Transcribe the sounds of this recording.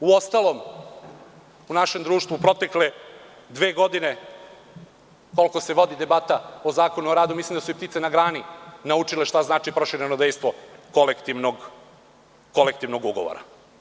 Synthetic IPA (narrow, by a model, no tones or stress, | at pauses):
uo̞st̪alˠo̞m | unaʃe̞md̪ɾuːʃt̪ʋupɾo̞t̪ekle | d̪ʋeːɡo̞d̪ine̞ | ko̞lˠko̞se̞ʋo̞d̪id̪e̞bat̪aozaːko̞nuoɾaːd̪umislimd̪asuip̚t̪it̪senaɡɾaːninaut͡ʂileʃt̪aznaːt͡ʃipɾoʃiɾenod̪ejst̪ʋo̞kolekt̪iʋnoɡ | ko̞lekt̪iʋno̞ɡuɡoʋo̰ɾa̰